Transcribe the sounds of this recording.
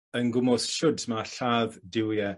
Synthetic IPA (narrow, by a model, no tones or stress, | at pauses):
ənɡʊmɔsʃʊdmaɬaːðdɪwjɛ